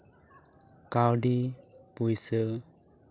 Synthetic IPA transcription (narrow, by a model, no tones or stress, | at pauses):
kawɖipujsə